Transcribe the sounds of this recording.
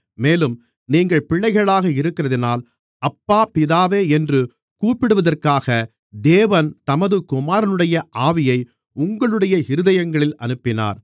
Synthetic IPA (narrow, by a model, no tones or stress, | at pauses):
meːlɯm | niːŋɡɐɭpɪɭːɐɪɣɐɭaːɣɐɪɾɯkːɪrɐðɪnaːl | ɐpːaːpɪðaːʋeːɛndrɯ | kuːpɪɽɯʋɐðɐrkaːɣɐ | d̪eːʋɐnt̪ɐmɐðɯkʊmaːɾɐnɯɽɐjɐʔaːʋɪjɐɪ | ʊŋɡɐɭɯɽɐjɐɪɾɯðɐjɐŋɡɐɭɪlɐ̰nɯpːɪna̰ːɾ